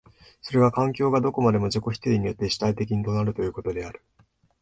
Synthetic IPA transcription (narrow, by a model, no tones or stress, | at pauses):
so̞ɾe̞βakãŋkʲo̞ːɡad̪o̞ko̞mad̪e̞mo̞d͡ʑoko̞çʲi̥t̪eiɲ̟ijo̞t̪ːe̞ɕi̥t̪ait̪e̞kʲiɲ̟it̪o̞naɾɯ̟t̪o̞jɯ̟ːko̞t̪o̞d̪e̞aɾɯ̟